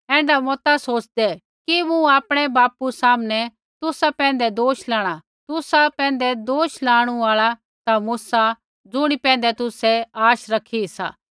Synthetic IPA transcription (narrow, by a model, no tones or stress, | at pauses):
ɛ̃ːɳɖamɔt̪asoːt͡ʃd̪ɛ | kimũaːpɽ̃ɛbaːpusaːmnɛ | t̪ʊsapɛ̃ːnd̪ɛd̪oːʃlaːɽ̃a | t̪ʊsapɛ̃ːnd̪ɛd̪oːʃlaːɽ̃uaːɭa | t̪amusa | d͡zʊɽ̃ipɛ̃ːn̆d̪ɛt̪ʊsɛaːʃɾɐkʰisa̰ː